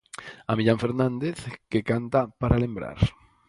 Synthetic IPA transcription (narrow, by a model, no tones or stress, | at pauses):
amiʎaɱfeɾnãnd̪eθkekant̪apaɾalẽmbɾa̰ɾ